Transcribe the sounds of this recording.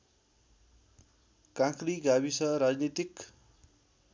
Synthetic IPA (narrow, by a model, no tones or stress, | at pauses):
kãkriɡabisʌɾad͡znit̪ik